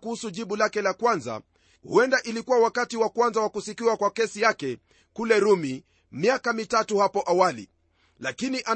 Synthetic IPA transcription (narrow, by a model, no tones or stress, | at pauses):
kuhusuʄiɓulakɛlakwanza̰ | hṵɛndaʔilikuwawakatiwakwanzawakusikiwakwakɛsijakɛ | kulɛɾumi | miakamitatuhapɔʔawalḭ | lakiniʔa